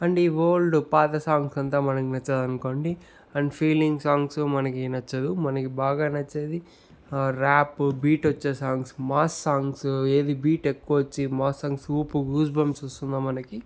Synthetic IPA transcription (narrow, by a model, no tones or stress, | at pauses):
ɐɳɖiʋoːlɖupaːt̪ɐsaːŋɡsɐnt̪aːmɐnɐkinɐt͡ʃːɐd̪ɐnuko̞ːɳɖi | ɐɳɖpʰiːliŋɡsaːŋɡsumɐnɐkinɐt͡ʃːɐd̪umɐnɐkibaːɡaːnɐt͡ʃːeːd̪i | ɾaːpbiːʈɐt͡ʃːeːsaːŋɡsmaːsːaːŋɡse̞ːd̪ibiːʈekːuʋɐt͡ʃːimaːsːaːŋɡsuːpuɡuːsbɐmsust̪und̪ɐːmɐnɐki